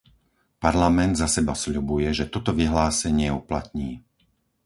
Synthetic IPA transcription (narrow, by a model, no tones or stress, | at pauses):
paɾlamɛnd̪zasɛbasʎubujɛʒɛt̪ɔt̪ɔʋiɦlaːsɛɲɪɛupla̰t̪̚ɲiː